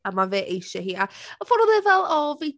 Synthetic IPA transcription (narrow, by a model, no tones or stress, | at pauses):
amaveːʔejʃɛɦiːaəfɔɾɔlˠɛvɛlˠɔvej